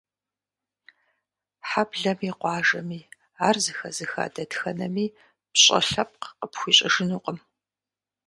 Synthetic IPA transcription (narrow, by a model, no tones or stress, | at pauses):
ħabɮɐmiːqʷɑːʒɐmiː | aːrzɨxɐzɨxa̰ːdɐdxɐnɐmiː | pɕʼɐ̰ɬɐp̚qqəpxʷiːɕʼɪʒɨnuːqʼəm